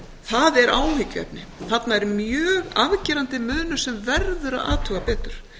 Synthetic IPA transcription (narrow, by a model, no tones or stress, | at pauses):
θaðɛɾʔaːwhɪcʏɛ̰pnɪθat̪naɛɾmjœːɣaðcɛːɾant̪ɪmœːnʏɾ̥sɛmvɛɾðʏɾa̰ða̰ːt̪ʰʏɣapɛːt̪ʏɾ̥